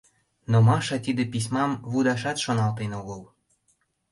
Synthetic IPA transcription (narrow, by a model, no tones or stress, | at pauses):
nomɑʃɑt̪id̪epis̬ʲmɑmβud̪ɑʃɑt̪ʃonɑlt̪enoɣəl